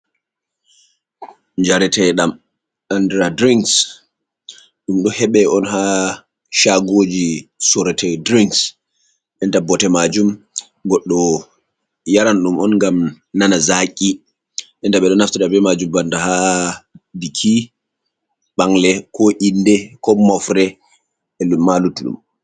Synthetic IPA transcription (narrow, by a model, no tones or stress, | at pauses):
d͡ʒaɾɛtʰɛɗam | andɾadɾiŋks | ɗumɗɔhɛɓɛɔnha | ʃaɡod͡ʒisɔɾɛtʰɛdɾiŋks | ʔɛntabɔtɛmad͡ʒum | ɡɔɗːɔ | jaɾanɗumɔnŋɡam | nanazakʲʼːi | ʔɛntaɓɛɗɔnaftitabɛmad͡ʒumbandaha | bikʰi | ɓaŋlɛkʰɔʔindɛkɔmɔfɾɛ | ɛlumːalutuɗṵm